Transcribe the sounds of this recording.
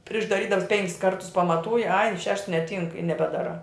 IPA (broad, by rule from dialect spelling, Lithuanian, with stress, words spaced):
pʲrʲɪʃ dɐˈrʲiːdɐms ˈpʲɛŋʲkʲɪs ˈkɐrtʊs pɐmɐˈtuːjɪ ɐɪ ʃʲɛʃts nʲɛˈtʲiːŋk ɪ nʲɛbʲɛˈdɑːˌrɑː